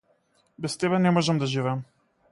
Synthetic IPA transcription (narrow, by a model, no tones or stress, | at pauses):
bɛst̪ɛbɛnɛmɔʒɛmd̪aʒivɛːm